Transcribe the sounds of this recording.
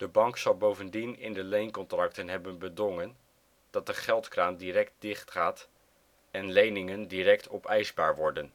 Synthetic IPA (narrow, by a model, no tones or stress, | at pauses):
d̥əbɑŋksɑlˠbowvəndinɪ̰ndəlejnkɔntrɑktənɦɛbənbədɔŋən | d̥ɑt̚dəχɛlˠtkraːndiɾɛk̚t̚dɪχtχaːt | ɛnlejnɪŋəndiɾɛktʰɔpɛjzbaːɹʋɔɹdən